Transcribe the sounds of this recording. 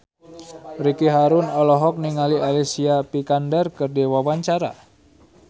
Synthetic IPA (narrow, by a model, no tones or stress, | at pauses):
rikiɦaɾʊnɔlɔɦɔk̚niŋalialisiapikandɛrkɨrdiwawaɲt͡ʃaɾa̰